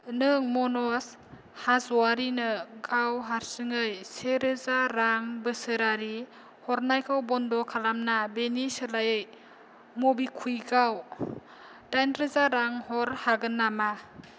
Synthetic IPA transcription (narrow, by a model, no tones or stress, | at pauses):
nɯŋmɔnɔs | hazwaɾinɯɡawɦaɾsɯŋɯjseɾɯzaɾaŋbɯsɯɾaɾi | hɔɾnajkʰawbɔndɔkʰalamnabenisɯlajɯj | mobikʰujɡaw | dajnɾɯzaɾaŋhɔɾhaɡɯnːama